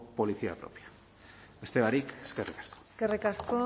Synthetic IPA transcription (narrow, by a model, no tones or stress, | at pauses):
po̞liθia̰pɾo̰pjḁ | est̪eβaɾikeskerikḁsko̥skerikasko